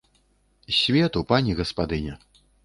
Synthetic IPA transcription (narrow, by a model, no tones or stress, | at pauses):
sʲvʲɛt̪upanʲiɣɐspad̪ɨnʲɛ